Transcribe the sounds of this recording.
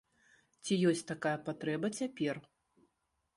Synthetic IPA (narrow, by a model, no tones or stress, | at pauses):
t͡sʲijɔsʲtʲt̪akajɐpat̪ɾɛbɐt͡sʲapʲɛr